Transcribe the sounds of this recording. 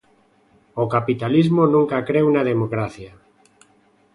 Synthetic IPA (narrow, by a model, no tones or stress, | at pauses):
okapit̪alizmonũŋkakɾewnaðemokɾaθja